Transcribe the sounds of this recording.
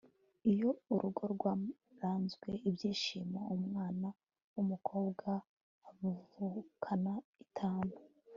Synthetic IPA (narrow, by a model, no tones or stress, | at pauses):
ijo̞uɾʔuɡo̞ɾɡwa | ɾaːnzɡwe̞ibjiːʃiːmaumŋaːna | umukʰo̞ːbɡaː | vuvukʰanaitʰaːmbo